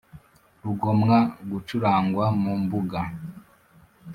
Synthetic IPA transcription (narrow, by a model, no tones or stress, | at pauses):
ɾuɡomŋaɡut͡ʃuɾaːŋɡwamumbuɡa